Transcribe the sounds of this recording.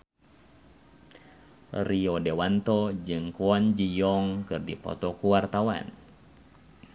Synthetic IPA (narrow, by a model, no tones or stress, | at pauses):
riɔdɛwant̪ɔd͡ʒɨŋkuand͡ʒijɔŋkɨrdipɔ̰t̪ɔkuwart̪awa̰n